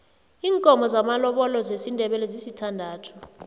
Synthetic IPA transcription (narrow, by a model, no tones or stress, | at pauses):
iːŋkʼɔmʱɔzamalɔɓɔlɔzesindʱɛɓɛlɛzisitʰandʱaːtʰu̥